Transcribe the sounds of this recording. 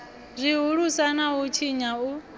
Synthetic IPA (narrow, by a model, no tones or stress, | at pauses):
zʷiɦuɺusanaɦut͡ʃʰiɲau